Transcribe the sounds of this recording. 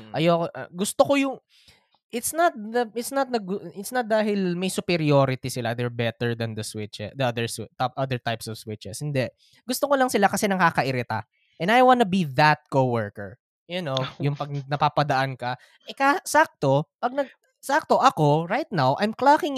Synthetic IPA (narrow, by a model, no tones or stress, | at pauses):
ʔɐjoʔɡʊst̪okojʊŋ | ʔɪt̪snɐt̪̚d̪ɐʔɪt̪snɐt̪̚nɐɡʊʔɪt̪snɐt̪̚d̪aːɦɪlmɐjsʊpɛɾioːɾɪt̪isɪlad̪ɛɹbɛt̪ɛɹd̪ɐnd̪ɐswɪt͡ʃɛd̪ɐɐd̪ɛɹst̪aʔɐd̪əɹt̪ajpsɔv̥swɪt͡ʃɛshɪnd̪ɛʔ | ɡʊst̪okolɐŋsɪlakɐsɛnɐkaːkɐʔɪɾɪt̪a̰ | ʔɛnajwãnɐbiðɐt̪̚kowɛɹkɛ̰ɹ | jʊnojʊŋpɐɡ̚nɐpaːpɐd̪ɐʔankɐ | ʔɛkasak̚t̪o̞pɐɡ̚nɐɡ̚ | sak̚t̪oʔɐko̞ɾajt̪̚nawʔajmklakɪŋ